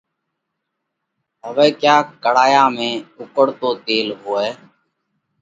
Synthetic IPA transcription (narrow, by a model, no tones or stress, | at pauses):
ɦəʋeːkjaːkəɽaːjãːmẽːʊkəɽt̪oːt̪eːlɦoːɛː